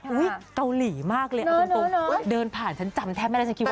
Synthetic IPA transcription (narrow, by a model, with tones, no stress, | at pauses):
u˦˥ka˧wli˨˩˦maː˥˩k̚leː˧ʔo˧˦dɤː˧npʰaː˨˩nt͡ɕʰa˦˥nt͡ɕa˧mt̪ʰɛː˦˥p̚ma˥˩a˧˩˦ki˧w